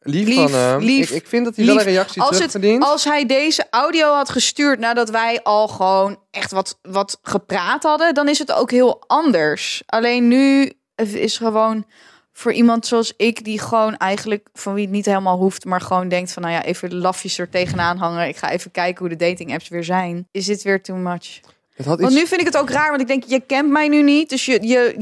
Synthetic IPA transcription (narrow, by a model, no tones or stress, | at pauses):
lililiɪkfɪndɑtiɛləɾejɑksiɑlˠsəədinlˠsɦɛjdejzəʔawdiowɦɑtχəstyːɹtnaːdɑtʋɛjʔɑlˠχəʋownʔɛχtʋɑtʋɑtχəpraːtɦɑdədɑnɪsɦəto̰wkɦɪːlˠʔɑndəɹsʔɑlejnːy | əɪ̰sχəʋown | fʊːɹʔimɑntsoɑlˠsɪkdiχəʋownɛjχənləkfɑnʋiətnitɦejlˠmaːlˠɦuftmaːɹχəʋowndɛŋk̚tfɑnːawja̰ʔejvəlɑfisəɹtejχənaːnɦɑŋəɪkχa̰ːʔejvəkɛjkənɦudədejtɪŋɛpsʋɪːɹzɛjnɪsdɪtʋɪːɹtəmɑt͡ʃ | ɑntnyfɪndɪkətowkraːɹʋɑntɪɡdɛŋkjəkɛntmɛjnynit̚dɵsjəjə